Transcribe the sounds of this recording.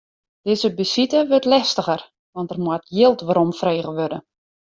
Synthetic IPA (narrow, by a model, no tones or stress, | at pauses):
d̥ɪzəbəsitəʋøtlɛstəɣər | ʋɔntərmwɔtjɪlˠtʋaɾomfreːɣəʋødə